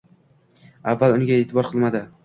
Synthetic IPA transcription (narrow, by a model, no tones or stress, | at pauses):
avːalʊnɪɡʲae̞ːt̪ʰɪbɒɾqʰɨlˠmad̪ɪ